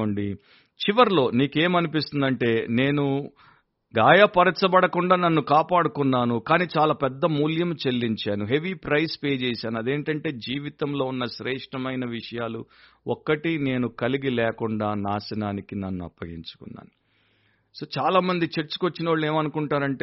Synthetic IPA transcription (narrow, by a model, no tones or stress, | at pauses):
oɳɖi | t͡ʃiʋɐɾlo̞ːniːke̞ːmɐnipis̬t̪und̪ɐɳʈe̞ːne̞ːnu | ɡaːjɐpɐɾɐt͡ʃːɐbɐɽɐkuɳɖaːnɐnːukaːpaːɽukunːaːnukaːniːt͡ʃaːlaːpɛd̪ːɐmuːljɐmt͡ʃe̞lːiɲt͡ʃaːnuɦe̞ʋipɾɐjspeːd͡ʒɛːsaːnuɐd̪e̞ːɳʈɐɳʈe̞ːd͡ʒiːʋit̪ɐmlo̞ːunːɐʃɾɛːʂʈɐmɐjnɐʋiʂɐjaːlu | ɔkːɐʈine̞ːnukɐliɡilɛːkuɳɖaːnaːsɐnaːnikinɐnːuɐ̰pːɐɡiɲt͡ʃu̥kunːa̰ːnu | soːt͡ʃaːlaːmɐnd̪it͡ʃeɾt͡ʃu̥kot͡ʃːinɐʋaːɭːe̞ːmɐnukuɳʈaːɾɐɳʈeː